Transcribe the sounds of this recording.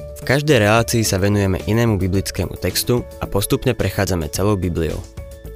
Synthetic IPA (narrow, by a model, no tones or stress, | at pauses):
fkaʒd̪ɛjɾɛlaːt͡siːsaʋɛnujɛmɛ̰ʔinɛːmubiblit͡skɛ̰ːmṵt̪ɛkst̪uapɔst̪upɲɛpɾɛxaːd͡zamɛ̰t͡sɛlɔʊbiblio̰ʊ